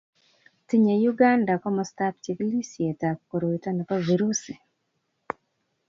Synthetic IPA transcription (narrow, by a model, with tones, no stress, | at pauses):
ti˦ɲe˨juɡa˦nda˨kɔ˦mɔsta˦p̚t͡ʃi˨ɡli˦sje˨ta˨kko˨ɾo˨itɔ˦nɔ˨pa˦viɾu˦si˨